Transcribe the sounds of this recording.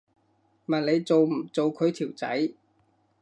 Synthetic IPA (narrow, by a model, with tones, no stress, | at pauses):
mɐ˨nle˨˧jt͡so˨wm̩˨˩t͡so˨wkʰɵ˨˧ɥt̪ʰiː˨˩wt͡sɐ̰˨˥j